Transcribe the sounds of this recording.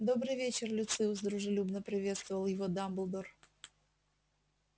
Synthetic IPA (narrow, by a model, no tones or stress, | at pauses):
d̪o̞bɾɨjvʲet͡ɕɪrlʲʊt̪sɨʊs̬d̪ɾʊʐɨlʲubnəpɾʲɪvʲe̞t̪st̪vəvəlˠjɪvod̪amblˠd̪or